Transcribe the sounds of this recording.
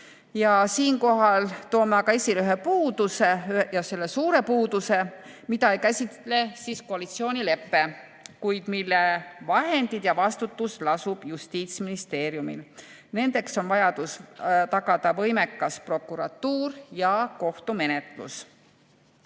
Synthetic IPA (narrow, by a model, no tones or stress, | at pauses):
jɑsiːnko̞ɦɑlt̪oːmeɑɡ̥ɑesilyɦepuːd̪̥use̞jɑse̞lːe̞suːɾe̞puːd̪̥use̞mid̪ɑejkæsʲit̪le̞siːsko̞ɑlit̪sio̞ːnʲile̞pːe̞ | kujd̪̥milːevɑɦe̞nd̪̥id̪̥jɑvɑst̪ut̪ːuslɑsub̥just̪iːt̪sminist̪e̞ːɾjumḭl | ne̞nd̪̥e̞kso̞nvɑjɑd̪̥ust̪ɑɡ̥ɑd̪̥ɑvɤ̞jme̞kːɑspro̞kːˑuɾɑt̪ːuːɾjɑko̞ht̪ume̞ne̞t̪ˑlṵs